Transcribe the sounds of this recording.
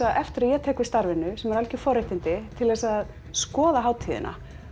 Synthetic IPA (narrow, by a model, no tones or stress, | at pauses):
aɛft̪ɪɾaðjɛt̪ʰɛːkvɪ̥st̪aɾvɪnːʏsɛmɛɾalcɪ̥fɔɾeht̪ɪnt̪ɪt̪ʰɪlvɛsað | skɔːðaɦaːwt̪ʰiːðɪ̰nʔa̰